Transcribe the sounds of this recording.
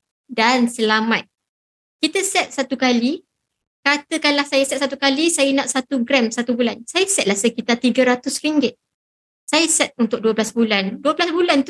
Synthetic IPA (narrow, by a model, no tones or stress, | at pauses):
dansəlamat̪̚ | kit̪əsɛt̪̚sat̪ukali | kat̪əkanlahsajəsɛt̪̚sat̪ukalisajənãʔsat̪uɡɾɛmsat̪ubulansajəsɛt̪̚lahsəkit̪at̪iɡəɾat̪ʊsɾiŋɡɪt̪̚ | sajəsɛt̪̚unt̪ʊk̚duəblasbulanduəblasbulant̪